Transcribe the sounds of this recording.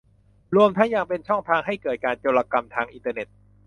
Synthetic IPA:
ɾu˧əmt̪ʰa˦˥ŋjaː˧˩ŋpe˧nt͡ɕʰɔ˥˩ŋt̪ʰaː˧ŋɦa˥˩jkɤː˨˩t̪̚kaː˧nt͡ɕe˧wlaː˧ka˧mt̪ʰaː˧ŋʔi˧nt̪ɤː˧ne˨˩t̪̚

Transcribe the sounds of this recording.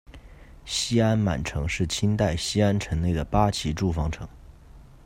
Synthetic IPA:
ɕi˥a˥nma̰˨˩nʈ͡ʂʰɤ˧˥ŋʂɻ̩˥˩t͡ɕʰi˥nt̪a˥˩ɪɕi˥a˥nʈ͡ʂʰə˧˥ŋne˥˩ɪd̪ə˩pa˥t͡ɕʰi˧˥ʈ͡ʂu˥˩fɑ˥ŋʈ͡ʂʰɤ̰˧˥ŋ

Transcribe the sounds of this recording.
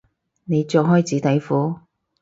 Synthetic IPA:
ne˨˧jt͡sɔː˧ɦɔː˥jt͡siː˨˥t̪ɐ˨˧jfuː˨˥

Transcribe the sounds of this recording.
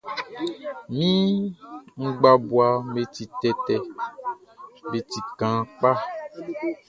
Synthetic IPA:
mĩ˦ | ŋ̩˦ɡ͡ba˨bu˨a˨me˨t̪i˨t̪ɛ˨t̪ɛ˨ | me˨t̪i˨kã˨k͡pa˦

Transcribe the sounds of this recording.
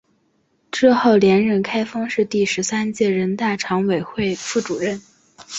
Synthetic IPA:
ʈ͡ʂɻ̩˥˧xo˥˩ʊljɛ˧˥nɻə˥˩nkʰa˥ɪfɑ˥ŋʂɻ̩˥˧t̪i˥˩ʂɻ̩˧˥sa˥nt͡ɕjɛ˥˩ɻə˧˥nt̪a˥˩ʈ͡ʂʰɑ˧˥ŋwe˨˩ɪxwe˥˧ɪfu˥˩ʈ͡ʂu˨˩ɻə˥˩n

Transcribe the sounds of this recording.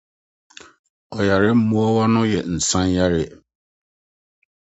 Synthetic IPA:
ɔ˨ja˨ɾɪ˦m̩˦mu˦ɔ˦wa˦nʊ̃˦jɛ˨n̩˨sã˦n˦ja˦ɾɪ˦˨

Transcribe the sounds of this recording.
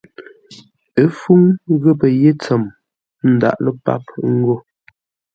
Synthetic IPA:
ə˨˦fu˦ŋɣə˦pə˨je˦t͡sə˨m | n̩˨da̰˨ʔlə˦pa̰˦p̚ŋ̩˦ɡo˦˨

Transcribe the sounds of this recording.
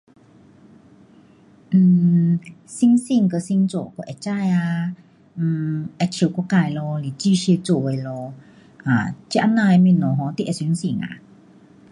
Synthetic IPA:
n̩ː˧˩ | si˧˥ŋsi˧˨ŋkə˧˨si˧˥ŋt͡so̰˨kɔ˧˨ʔɛ˧˨t͡ɕa˧ja˧˩ | ʔɛ˧˨t͡ɕʰi˧˩wkɔ˧˦ka˧˨jlɔ˧li˨˩t͡ɕi˥˧ɕi˧t͡so˨˧˩e˧lɔ˧ | a˨t͡ɕi˧˦ʔa˧na˧e˧mi˧˨nɔ˨˩ɦɔ̃˨˦t̪i˧ʔɛ˨si˧˦ŋsi˧˩ŋa̰˧˨

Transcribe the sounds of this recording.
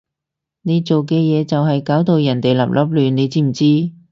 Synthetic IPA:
ne˨˧jt͡so˨wkɛː˧jɛː˨˧t͡sɐ˨wɦɐ˨jkaː˨˥wt̪o˨˧wjɐ˨˩nt̪e˨jlɐ̰˨˩p̚lʔɐ̰˨˥p̚lyː˨nne˨˧jt͡siː˥m̩˨˩t͡siː˥

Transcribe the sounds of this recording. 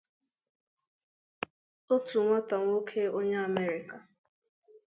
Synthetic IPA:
o˦tu˨ŋʷa˦ta˨ŋʷo˦kʰe˦o˦ɲe˦a˨me˦ɾɪ˨ka˨

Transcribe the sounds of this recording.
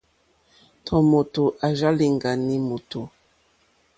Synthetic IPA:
tʰɔ˨mo˨to˨ʔa˨ʒa˦li˨ŋɡa˨ni˦mo˨tʰo˨

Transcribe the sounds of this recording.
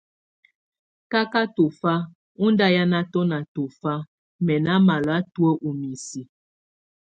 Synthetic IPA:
ka˦ka˦to˨fa˦ | u˦nda˦ja˦na˦tɔ˦na˨to˨fa˦ | mɛ˨na˦ma˨lɔ˨a˦tu˦ə˦ʔu˨mi˨si˨

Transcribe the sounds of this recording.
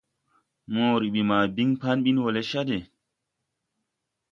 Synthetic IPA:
mõː˨ɾi˨ɓi˨maː˨bi˦ŋpa˦nɓi˦nwo˨le˦ʃa˦de˨

